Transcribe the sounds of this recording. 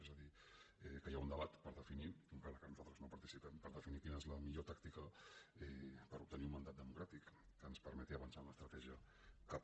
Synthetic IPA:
ɛzəði | ɛkəjaund̪əβ̞at̪pəɾðəfiniuŋkɾaləkanuzalˠt̪ɾəznopɐɾt̪isipɛmpəɾðəfinikinəezləmiʎot̪akt̪ikəɛpəɾup̚t̪əniumənd̪at̪̚d̪əmukɾat̪ikːənspəɾmɛt̪iəβənsanləst̪ɾət̪ɛʒiə | kap

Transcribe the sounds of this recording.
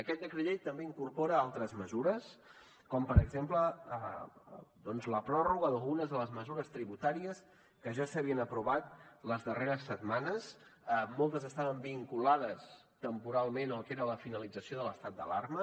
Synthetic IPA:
əkɛt̪̚d̪əkɾiʎet̪əmbeiŋkurpɔɾəalˠt̪ɾəzməzuɾəs | kɔmpəɾəɡzempləə | d̪ɔnzləpɾɔruɣəðəlˠɣunəzðələzməzuɾəst̪ɾiβut̪aɾiəs | kəʒasəβiənəpɾuβat̪ləzðəreɾəsːəd̪manəsmɔlˠt̪əzəst̪aβəmbiŋkulaðəs | t̪əmpuɾalˠmenəlˠkeɾələfinəlid͡zəsioðələst̪at̪̚d̪ə̰la̰rmə

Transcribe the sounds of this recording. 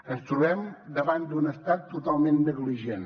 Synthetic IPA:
əst̪ɾuβɛmd̪əβand̪unəst̪at̪ːut̪alˠmẽnnəɣliʒen

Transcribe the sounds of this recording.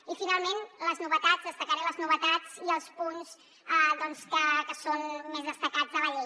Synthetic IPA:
ifinalˠmenləznuβət̪azðəst̪əkəɾeləznuβət̪ad͡ziəlˠspunz | ɛðɔnskəkəsonmezðəst̪əkazðələʎe

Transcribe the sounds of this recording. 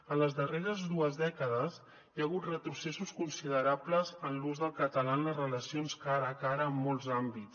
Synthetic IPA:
ələzðəreɾəzðuəzðɛkəðəz | jaɣ̞ut̪rət̪ɾusesuskunsiðəɾabləzənluzðəlˠkət̪əlanləzrələsionskaɾəːkaɾəːmːɔlˠzambits

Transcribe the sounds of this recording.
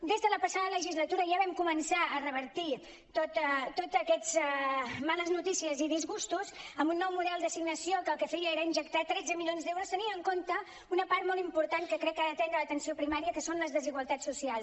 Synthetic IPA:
d̪ezðələpəsaðələʒizlət̪uɾəʒaβɛmkumənsaərəβ̞əɾt̪i | t̪ot̪t̪ːot̪əkɛd͡z | maləznut̪isiəziðizɣust̪uzəmbunːɔwmuðɛlˠd̪əsiɡnəsiokəːlˠkəfɛjəeɾəinʒəkt̪at̪ɾɛd͡zəmilʎonzd̪ewɾust̪əniəŋkont̪ə | unəpaɾt̪mɔlˠimpuɾt̪ankəkɾɛkːaɾət̪ɛnd̪ələt̪ənsiopɾimaɾiəkəsonləzðəziɣwəlˠt̪at͡ssːusialˠs

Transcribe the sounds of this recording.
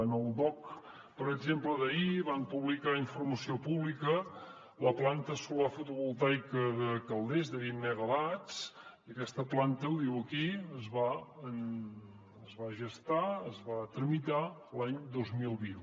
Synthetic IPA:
ənəlˠd̪ɔk | pəɾəɡzempləðəiβampuβlikaiɱfurməsiopuβlikə | ləplant̪əsulafut̪uβulˠt̪ajkəðəkəlˠd̪ezd̪əβinːɛɣəlat͡siəkɛst̪əplant̪əwðiwəkiəzβaən | əzβaʒəst̪aəzβat̪ɾəmit̪alaɲd̪ozmilˠβin

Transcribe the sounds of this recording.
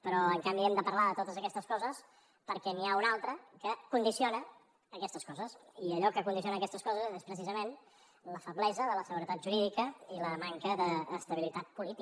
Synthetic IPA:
pəɾɔəŋkambiɛmd̪əpəɾlaðət̪ot̪əzəkɛst̪əskɔzəs | pəɾkɛniaunalˠt̪ɾəkəkund̪isionəː | kɛst̪əskɔzəsiəʎɔkəkund̪is̬ionəkɛst̪əskɔzəzespɾəsizəmen | ləfəβlɛzəðələsəɣuɾət̪at̪ʒuɾiðikəiləmaŋkəðəːst̪əβilit̪at̪̚pulit̪i

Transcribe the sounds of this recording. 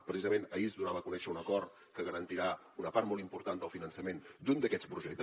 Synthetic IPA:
pɾəsizəmenəizðuɾaβəkunɛʃəunəkɔɾt̪ | kəɣəɾənt̪iɾa | unəpaɾt̪mɔlˠt̪impuɾt̪and̪əlˠfinənsəmend̪und̪əkɛspɾuʒɛk̚t̪

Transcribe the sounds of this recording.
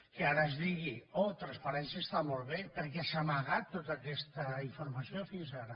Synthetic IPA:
keaɾəezðiɣiot̪ɾanspaɾɛnsjəest̪amolˠβepəɾk̬ɛsamaɣat̪ːot̪aːkɛst̪əiɱfuɾmasiofinzaɾə

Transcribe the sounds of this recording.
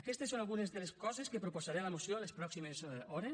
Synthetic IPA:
akest̪esːonalɣunezðeleskɔzeskepɾuposaɾelamusjolespɾɔksimezɔɾe

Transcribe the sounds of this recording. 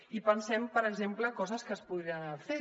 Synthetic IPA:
ipənsɛmpəɾəɡzempləkɔzəskəspuðɾianafe

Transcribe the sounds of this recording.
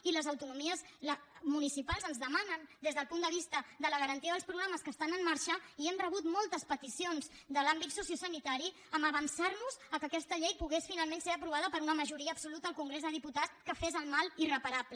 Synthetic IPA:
iləzəwt̪unumiəzləmunisipalˠzənzðəmanənd̪ezðəlˠpund̪əβ̞ist̪əd̪ələɣ̞əɾənt̪iəðəlspɾuɣ̞ɾaməskəst̪anəmːaɾʃəiɛmrəβut̪mɔlˠt̪əspət̪isionzd̪əlambit̪susiusənit̪aɾi | əməβənsarnuzəkəkɛst̪əʎejpuɣesfinalˠmẽnseɾəpɾuβ̞aðəpəɾunəməʒuɾiəːbsulut̪əːlˠkuŋɡɾezðəðiput̪at͡skəfezəlˠmalˠirəpəɾaplə

